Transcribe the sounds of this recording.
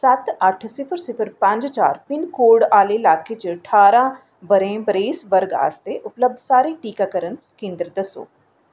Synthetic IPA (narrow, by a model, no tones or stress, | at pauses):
sɐt̪ɐʈʰsɪpʰəɾsɪpʰəɾpɐ̃ɲd͡ʒt͡ʃa̰ːɾpɪnkoːɖaːlelaːket͡ʃəʈʰaːɾã | bəɾẽːbəɾeːsʋəɾɡa̰ːst̪eʔʊpləb̚d̪ʱsaːɾeʈiːkakəɾənskẽːnd̪ɾd̪ɐso̰ː